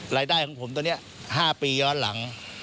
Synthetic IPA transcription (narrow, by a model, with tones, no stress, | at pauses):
ɾaː˧jdaː˥˩jkʰɔː˩˦ŋpʰo˩˦mt̪o˧ni˦˥ɐ | haː˥˩piː˧jɔː˦˥nla˩˦ŋ